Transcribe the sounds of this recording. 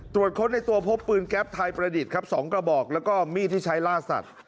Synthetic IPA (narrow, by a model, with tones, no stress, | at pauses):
t̪ɾu˨˩ət̪̚kʰo˦˥nːa˧jt̪u˧ɐpʰo˦˥pːɯː˧nkɛ˦˥p̚t̪ʰaː˧jpɾa˧di˨˩t̪̚kʰa˦˥p̚sɔː˩˦ŋkɾa˧bɔː˨˩k̚lɛː˦˥wkɔː˥˩miː˥˩t̪ʰiː˥˩t͡ɕʰa˦˥jlaː˥˩sa̰˨˩t̪̚